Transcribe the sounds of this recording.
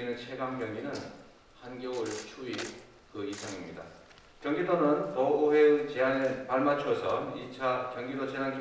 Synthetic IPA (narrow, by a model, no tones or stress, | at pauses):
inɯnt͡ɕʰe̞ɡaŋɡjʌŋɡinɯn | hanɡjouɭt͡ɕʰui | kɯisʰaŋimɲida̰ | kjʌŋɡidʌnɯnpʌoɦe̞ɯt͡ɕeɦanepaɭmat͡ɕʰuʌsʰʌit͡ɕʰakjʌŋɡidʌt͡ɕeɦankʰ